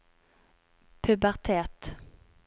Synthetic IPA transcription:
pʰʉbæʁt̪ʰɛt̪

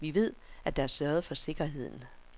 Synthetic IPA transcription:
ʋiʋe̝ð̞̰ˠʔæd̥ɑæɐsɶɐð̩ˠfɒ̽se̝ɡ̥ɐɦe̝ð̞̰ˠn̩

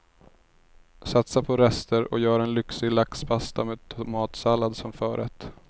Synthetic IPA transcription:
sat̪sapʰɔɾɛst̪əɾɔ̰jœːɾaɛnlʏksɪɡlakspʰast̪ʰameːd̪̚t̪ʰʊmɑːt̪salːad̪sɔmfœːɾʔɛ̰t̪

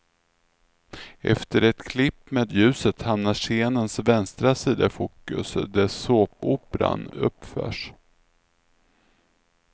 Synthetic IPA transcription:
ʔɛ̰ft̪əɾɛt̪kʰlɪpːmeːd̪jʉ̟ːsət̪hamnaʂeːnənsvɛnst̪ɾasiːd̪afuːkːɵ̰sd̪æsoːpuːpɾa̰nɵ̰pːfœ̰ːʂ

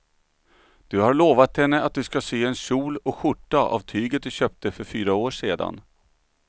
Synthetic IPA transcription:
d̪̥ɵhaɭoːvat̪hɛnːəat̪̚d̪ɵskaseːɛnɕuːlɔɧʊʈːaʔa̰vt̪ʰyːɡət̪̚d̪ɵɕøːp̚t̪əfœɾfyːɾaoːʂeːd̪a̰n

